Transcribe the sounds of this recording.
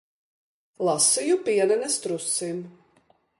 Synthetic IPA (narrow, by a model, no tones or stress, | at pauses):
lˠasijupiɛnɛnɛst̪ɾusim